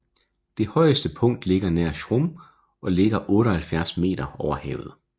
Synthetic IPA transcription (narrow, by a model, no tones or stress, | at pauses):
d̥e̝hɒ̽ɪəsd̥əpʰɔ̽ŋ̰d̥le̝ɡ̥ɐnæɐ̰ɕʁom | ɒ̽le̝ɡ̥ɐʔɔ̽ːɾɒhælfjæɐsme̝̰ːd̥ɐɒʊɐhɛ̰ːʊð̞̩ˠ